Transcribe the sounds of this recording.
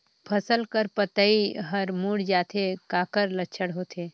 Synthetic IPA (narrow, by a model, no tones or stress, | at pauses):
pʰɐsəlkəɾpət̪əiɦɐɾmuːɽd͡ʒaːt̪ʰekaːkəɾlətːt͡ʃʰəɽɦoːt̪ʰeː